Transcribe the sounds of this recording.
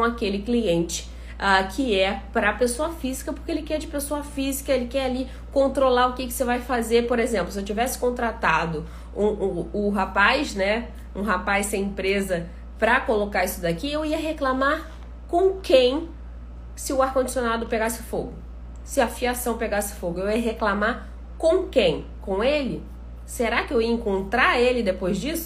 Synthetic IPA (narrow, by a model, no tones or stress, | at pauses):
õakelɪkliẽnt͡ʃɪ̥ | akʰɪɛpɾɐːpesoɐfizikɐpo̥keelɪkɛɾd͡ʒɪpesoɐfizikɐelɪkɛɾali | kõnt̪ɾolaɾʊkɪkɪ̥sevajfazeɾpoɾezẽmplʊsɪewt͡ʃivɛsɪ̥kõnt̪ɾat̪ad̪ʊ | ũːɦapajʃnɛ | ũɦapajssẽj̃ẽpɾezɐ | pɾɐkolokaisʊd̪akiewiɐɦeklamaɾ | kõkẽj̃ | sɪʊaɾkõd͡ʒi̥sionad̪ʊpeɡasɪ̥foɡʊ | sɪɐfiasɐ̃w̃peɡasɪ̥foɡʊewiɐɦeklamaɾ | kõkẽj̃ | kõelɪ | seɾakɪewiɐẽŋkõnt̪ɾaelɪd̪epojzd͡ʒisʊ